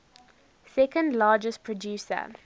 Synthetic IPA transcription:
sɛkə̃ndlaːd͡ʒəstpʰɹɔdjuːsə̰

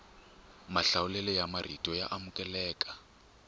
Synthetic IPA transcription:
maɬawulɛlɛjamar̤itʼɔja̰ʔamukʼɛlɛːkʼḁ

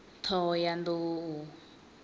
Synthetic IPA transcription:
t̪ʰɔjand̪u

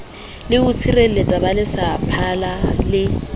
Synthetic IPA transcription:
lɪʊt͡sʰirel̩let͡sʼabalɪsapʰalalɪ

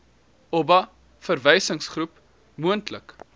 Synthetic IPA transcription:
ɔbɐ | fərvɛjsəŋsχrup | muəntlək

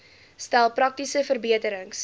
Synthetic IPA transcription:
stælˠprɐk̚tisəfərbiətəɾəŋs

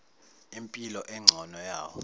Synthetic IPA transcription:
impʼilɔʔɛŋ͡ǀʱɔnɔjaːwɔ

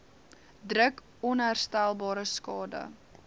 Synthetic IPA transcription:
drək | ɔnɦæːrstælˠbɑːɾəskɑːdə̰

